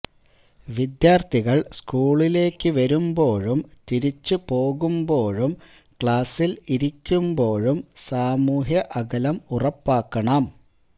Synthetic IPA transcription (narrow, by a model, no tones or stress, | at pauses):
ʋid̪jaːrt̪ʰiɣɐɭskuːɭile̞ːkːɨʋɐɾumbo̞ːɻumt̪iɾit͡ɕːɨpo̞ːɣumbo̞ːɻum | kɭaːsiliɾikʲːumbo̞ːɻumsaːmuːɦjɐʔɐɣɐlɐmurɐpːaːkːɐɳɐm